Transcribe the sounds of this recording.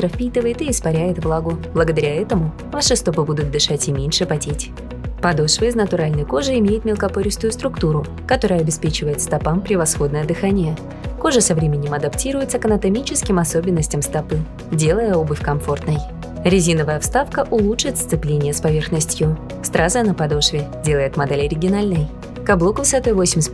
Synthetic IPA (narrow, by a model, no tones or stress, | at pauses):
st̪ɾəfpʲit̪ɨvəjɪt̪ɪːspɐɾʲæjɪt̪vlˠaɡʊblˠəɡəd̪ɐɾʲaɛt̪əmʊ | vaʂɨst̪opɨbud̪ʊt̪̚d̪ɨʂatʲɪmʲenʲʂɨpɐtʲetʲ | pɐd̪oʂvəjɪznət̪ʊɾalʲnəjko̞ʐɨɪmʲejɪt̪mʲɪlˠkɐpoɾʲɪst̪ʊjʊst̪ɾʊkt̪uɾʊ | kɐt̪o̞ɾəjəɐbʲɪspʲet͡ɕɪvəjɪt̪st̪ɐpampɾʲɪvɐsxo̞d̪nəjəd̪ɨxanʲɪjə | ko̞ʐɨsɐvɾʲemʲɪnʲɪmɐd̪ɐptʲiɾʊjɪt̪səkɐnət̪ɐmʲit͡ɕɪskʲɪmɐso̞bʲɪnːəsʲtʲɪmst̪ɐpɨ | dʲe̞lˠəjəo̞bɨfʲkɐmfo̞rt̪nəj | ɾʲɪzʲinəvəjəfst̪afkəʔʊlˠuʂɨt̪st̪sɨplʲenʲɪjəspɐvʲe̞rxnəsʲtʲjʊ | st̪ɾʔazənəpɐd̪o̞ʂvʲɪdʲe̞lˠəjɪt̪mɐd̪elʲɪɐɾʲɪɡʲɪnalʲnəj | kɐblˠokvɨsɐt̪ojvosʲɪmʲsʲ